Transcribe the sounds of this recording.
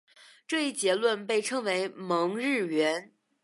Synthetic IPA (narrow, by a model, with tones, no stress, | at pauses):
ʈ͡ʂɤ˥˧i˥˩t͡ɕjɛ˧˥lwə˥˧npe˥˩ɪʈ͡ʂʰɤ˧˥ŋwe˧˥ɪmɤ˧˥ŋɻɻ̩˥˩ɥɛ˧˥n